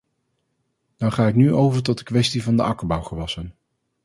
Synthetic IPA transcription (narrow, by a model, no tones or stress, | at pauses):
dɑχaːɪknyʔowvəɹtɔt̚dəkʋɛstivɑndəʔɑkəɹbʌwχəʋɑsən